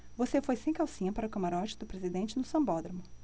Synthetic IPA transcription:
vosefojsẽj̃kawsĩɲɐpaɾɐʊkɐmaɾɔt͡ʃɪ̥d̪ʊpɾezid̪ẽnt͡ʃɪnʊsɐ̃bɔd̪ɾɐmʊ

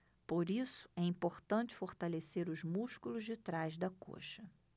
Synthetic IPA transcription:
poɾisʊ̥ɛĩpoɾt̪ɐ̃nt͡ʃɪ̥foɾt̪aleseɾʊzmuʃkulʊzd͡ʒɪt̪ɾajzd̪ɐko̰ʃɐ

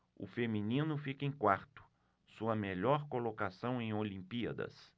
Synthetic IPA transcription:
ʊ̰feminĩnʊfikẽkwaɾt̪ʊ̥ | suɐmeʎɔɾkolokasɐ̃w̃ẽj̃olĩmpiɐ̰d̪ɐ̰s

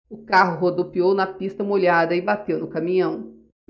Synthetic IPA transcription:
ʊkaɦʊɦod̪opiownɐpist̪ɐmoʎad̪ɐɪbat̪ewnʊkamĩɲɐ̃w̃

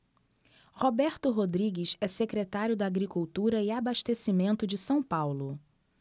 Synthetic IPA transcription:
hobɛɾt̪ʊɦod̪ɾiɡɪsɛsekɾet̪aɾjʊd̪ɐːɡɾikuwt̪uɾɐɪabaʃt̪esimẽnt̪ʊd͡ʒɪsɐ̃w̃pawlʊ

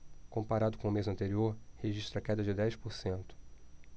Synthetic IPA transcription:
kõmpaɾad̪ʊkõʊmezɐ̃nt̪eɾioɾheʒiʃt̪ɾɐkɛd̪ɐd͡ʒɪd̪ɛjspoɾsẽnt̪ʊ̥

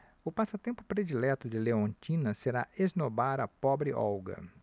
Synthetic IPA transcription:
ʊpasɐt̪ẽmpʊpɾed͡ʒilɛt̪ʊd͡ʒɪleõnt͡ʃĩnɐseɾaeznobaɾɐpɔbɾɪʔɔ̰wɡɐ̰

